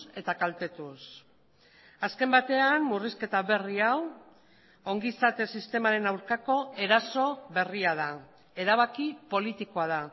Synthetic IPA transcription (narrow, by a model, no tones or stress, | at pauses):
e̞t̪akalt̪e̞t̪us | aske̞mbat̪e̞anmuriske̞t̪aβe̞riaw | o̞ŋɡisat̪e̞sist̪e̞maɾe̞nawɾkako̞e̞ɾaso̞βe̞riaða | e̞ɾaβ̞akipo̞lit̪iko̞að̞a